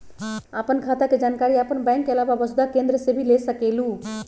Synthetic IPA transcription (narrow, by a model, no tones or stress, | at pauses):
apənkʰat̪aked͡ʒaːnkaɾiəpənbɛ̃ŋkːeəlababəsd̪akẽnd̪ɾəsẽbʱilesəkelu